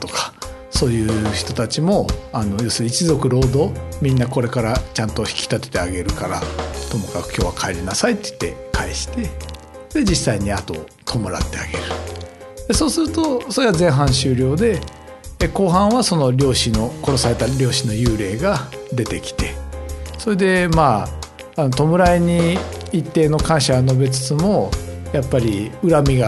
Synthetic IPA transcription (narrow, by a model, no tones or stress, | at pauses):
t̪o̞kḁ | so̞ːjɯ̟ːçi̥t̪o̞t̪at͡ɕimo̞ano̞jo̞ːsɨɾʲiːt͡ɕizo̞kɯ̟ɾo̞ːd̪o̞mʲĩnːako̞ɾe̞kaɾat͡ɕãnt̪o̞çi̥kʲi̥t̪at̪et̪e̞aɡe̞ɾɯ̟kaɾat̪o̞mo̞kakɯ̟̥kʲo̞ːβakʰaeɾʲinasait̪ːei̥t̪ːe̞̰kʰaiɕi̥t̪e̞ | d̪̥e̞d͡ʑisːaiɲ̟iat̪o̞ | t̪ʰo̞mo̞ɾa̰t̪ːe̞aɡe̞ɾɯ̟ | d̪̥e̞so̞ːsɨɾɯ̟t̪o̞so̞ɾe̞βazẽɰ̃ɦãɰ̃ɕɨːɾʲo̞ːd̪e̞ | ko̞ːɦãɰ̃βaso̞no̞ɾʲo̞ːɕino̞ko̞ɾo̞saɾe̞t̪aɾʲo̞ːɕino̞jɯːɾe̞ːɡad̪e̞t̪e̞kʲi̥t̪e̞so̞ɾe̞d̪e̞maː | not̪o̞mɯ̟ɾaiɲ̟iː | t̪ːe̞ːno̞kãɰ̃ɕaɡano̞be̞t͡sɨ̥t͡sɨmo̞japːaɾʲiɯɾamʲiɡa